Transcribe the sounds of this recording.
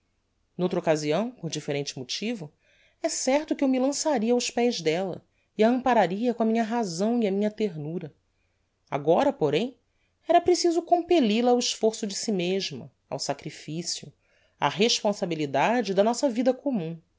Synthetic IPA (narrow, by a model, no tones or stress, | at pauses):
nowt̪ɾɐokaziɐ̃w̃poɾd͡ʒifeɾẽnt͡ʃɪmot͡ʃivʊ | ɛsɛɾt̪ʊkɪewmilɐ̃saɾiɐawʃpɛjʒd̪ɛlɐ̰ | iɐɐ̃mpaɾaɾiɐkõɐmĩɲɐɦazɐ̃w̃iɐmĩɲɐt̪eɾnuɾɐ | a̰ɡɔɾɐpoɾẽj̃ | ɛɾɐpɾesizʊkõmpelilɐawiʃfoɾsʊd͡ʒɪsimeʒmɐ̰ | a̰wsakɾifisiʊ | a̰ɦeʃpõsabilid̪ad͡ʒɪd̪ɐnɔsɐvid̪ɐkomũ